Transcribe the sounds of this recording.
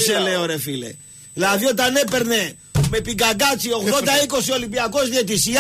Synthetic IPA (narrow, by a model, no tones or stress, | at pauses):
seleoɾe̞file̞̰ | ðilɐðio̞t̪ɐne̞pe̞ɾne̞ | me̞piɡɐɡɐt͡sio̞ɣðo̞nd̪ɐiko̞sio̞limbiɐko̞zðiet̪̬isi